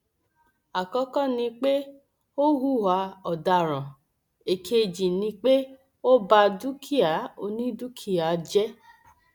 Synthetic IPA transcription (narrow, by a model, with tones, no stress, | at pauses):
a˨kɔ˦kɔ̃˦˨nĩ˧k͡pe˦ | o˦ɦu˦˨wa˧˦ɔ˨da˧˨ɾɔ̃˨ | e˨kʰe˧d͡ʒĩ˨nĩ˧k͡pe˦ | o˦ba˧du˦kʰi˦a˨˦o˧nĩ˦du˦kʰi˦˨a˨˦d͡ʒɛ˦